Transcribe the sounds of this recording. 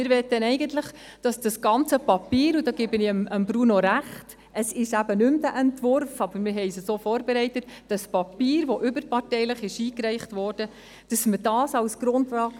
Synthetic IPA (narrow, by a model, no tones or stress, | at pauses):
ɪɾʋɛtːənɛɪɡəntləχd̥ɑsd̥ɑsɡ̥ɑnt͡səpɑpiːɾudɑːɡ̥ebəniəməmbɾunoɾæχt | ʔəsɪʃæbənʏmd̥æʔɛntvʊɾfɑbəɾmɪɾɦɛɪsəsoːfɔːɾbɛɾɛɪtətd̥ɑspɑpiːɾʋoʔʏbəɾpɑrtɛɪləχɪʃiːkɾɛɪχtvɔːrd̥ə | d̥ɑsməd̥ɑːsɑlsɡ̥ɾʊntvɑː